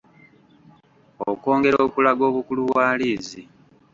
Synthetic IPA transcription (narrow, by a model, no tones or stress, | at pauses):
oko̞ːŋɡe̞ɾoːkulaɡo̞ːβukuluβwaːliːzi